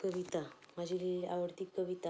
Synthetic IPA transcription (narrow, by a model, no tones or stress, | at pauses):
kəʋit̪amad͡ʑilia̰ʋəɽt̪iːkːəʋit̪a